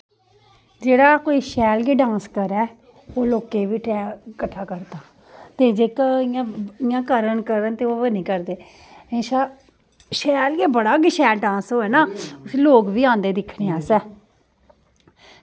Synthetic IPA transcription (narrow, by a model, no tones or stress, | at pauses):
d͡ʒeːɽaːkoːiːʃɛːlɡiːɖãːnskəɾɛː | oːloːkeːʋiːʈɛːkəʈʰːaːkəɾd̪aː | t̪eːd͡ʒeːkɪãːɪjãːkəɾəɳkəɾənt̪eːoːənĩːkəɾd̪eː | ẽʃaː | ʃɛːlɡeːbəɽaːɡiʃɛːlɖãːnsɦoːɛːnaːʊsloːkʋiːãːnd̪eːd̪ɪkʰɽeːaːsɛː